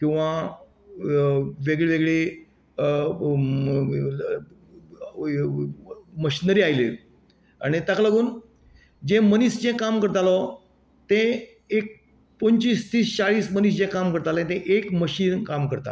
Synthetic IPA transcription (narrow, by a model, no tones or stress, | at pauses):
kĩw̃ʋa | ʋeɡɭeʋeɡɭe | məɕinəɾiːajlḛ | a̰ɽ̃it̪aklaɡuːn | d͡ʑẽməniːsd͡ʑẽkamkəɾt̪alɔ | t̪ẽ | ek̚ | pəɲt͡ɕiːst̪iːst͡ɕaɭiːsməniːsd͡ʑẽkamkəɾt̪alẽt̪ẽʔekməɕiːnkamkəɾt̪a̰